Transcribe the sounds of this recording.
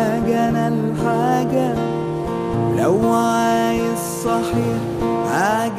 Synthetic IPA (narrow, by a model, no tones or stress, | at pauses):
ɡanalħaːɡa | lawʕaaj | sˤːɑħiːħ | haːɡ